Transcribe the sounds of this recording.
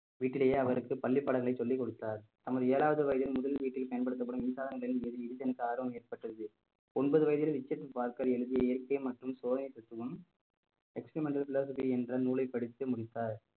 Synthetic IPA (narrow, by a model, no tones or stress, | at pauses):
ʋiːʈːɪlɐjeːɐʋɐɾɯkːɯpɐlːɪpːɐɽɐɣɐɭɐɪsɔlːikːɔɽɯt̪ːaːɾt̪ɐmɐðɯeːlaːʋɐðɯʋɐjɐðɪlmʊðɐlʋiːʈːɪlpɐjɐnpɐɽɯt̪̬ːɐpːɐɽɯmɪnsaːðɐŋɡɐɭɪnɛðɯɛðɯt̪ɛnɐkːɯaːɾʋɐmeːrpɐʈːrɐðɯ | ɔnbɐðɯʋɐjɐðɪlʋɪt͡ʃːɐt̪ːɯpaːɾkɐɾɛɻɯðɪjɐɪjɐɾkɐɪmɐʈrɯmsoːðɐnɪt̪ɐt̪ːɯʋɯm | ɛkspɾimɛɳʈːɐlfɪloːs̬ɐfiiɛndrɐnuːlɐɪpːɐɽɪt̪ːɯmʊɽɪt̪ːaːɾ